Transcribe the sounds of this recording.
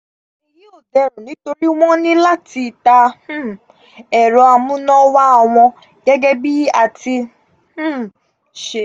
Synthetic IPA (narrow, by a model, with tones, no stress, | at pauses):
i˨ji˦o˦˨dɛ˧ɾo˨nĩ˨˦to˧ɾi˦w̃ɔ̃˦nĩ˦la˦ti˧˨tã˧˦ | ɛ˨ɾɔ˧a˧mũ˦nɔ̃˦wa˦ɔ˧w̃ɔ̃˧ | ɡ̥ɛ˦ɡɛ˦bi˦a˨ti˧ | h̩˦ | ʃe˨